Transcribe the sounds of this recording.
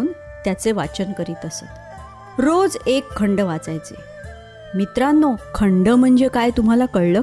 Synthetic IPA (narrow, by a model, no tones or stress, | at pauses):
uːn | t̪jat͡seʋa̰t͡ɕənkəɾiːt̪əsə̰ | ɾod͡zekʰːəɳɖəʋat͡sajt͡sḛ | mit̪ɾanːɔkʰəɳɖəm̤əɳd͡zekajt̪um̤alakəɭlə